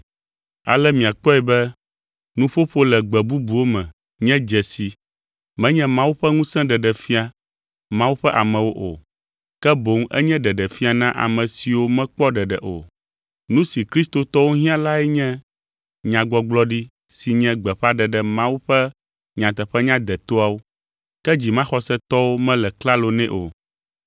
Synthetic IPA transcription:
a̰˨lɛ˦mĩ˨a˨k͡pɔ˦ɛ˨bɛ˦ | nũ˦ɸo˦ɸo˦lɛ˨ɡ͡bɛ˨bu˦bu˨wo˦mɛ̃˨ | ɲɛ̃˦d͡ʒɛ˨si˨ | mɛ̃˦ɲɛ̃˦mã˦wu˦ɸɛ˦ŋũ˦sɛ̃˦ɖɛ˨ɖɛ˨fi˦a˨ | mã˦wu˦ɸɛ˦ʔa˨mɛ̃˨wo˦ʔo̰˨ | kɛ˦bo˨˦ŋɛ̰˦ɲɛ̃˦ɖɛ˨ɖɛ˨fi˦a˨nã˦ʔa̰˨mɛ̃˨si˨wo˦mɛ̃˦k͡pɔ˦ɖɛ˨ɖɛ˨ʔo̰˨ | nũ˦si˨kɾi˦st̪o˦t̪ɔ˦wo˦ɦĩ˦ã˦la˦ɛ˦ɲɛ̃˦ | ɲã˨ɡ͡bɔ˦ɡ͡blɔ˦ɖi˦ | si˨ɲɛ̃˦ɡ͡bɛ˨ɸa˦ɖɛ˨ɖɛ˨mã˦wu˦ɸɛ˦ | ɲã˨t̪ɛ˨ɸɛ˦ɲã˦d̪ɛ˨t̪o˦a˨wo˦ | kɛ˦d͡ʑi˨mã˦xɔ˨sɛ˦t̪ɔ˦wo˦mɛ̃˦lɛ˨kla˦lo˨nɛ̃˦ʔo̰˨

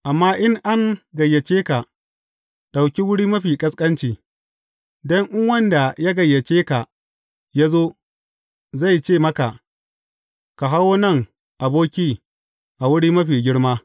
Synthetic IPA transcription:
ʔa˨mːaː˦ʔɪ˦ŋʔa˦ŋɡɐ˨jːɐ˨t͡ʃeː˦ka˨ | ɗa˨wkʲi˦wʊ˦ɽiː˦mɐ˦ɸiː˨kʼɐ˦skʼɐ˦nt͡ʃiː˨ | dɔ˦ŋʔɪ˦ŋwɐ˦nda˨ja˦ɡɐ˨jːɐ˨t͡ʃeː˦ka˨ | ja˦zoː˦ | za˦˨jt͡ʃeː˦˨mɐ˦ka˨ | ka˨ɦa˦woː˦nɐ˦˨ŋ | ʔa˨boː˦kʲiː˦ | ʔa˨wʊ˦ɽiː˦mɐ˦ɸiː˨ɡʲɪ˦ɽmaː˦

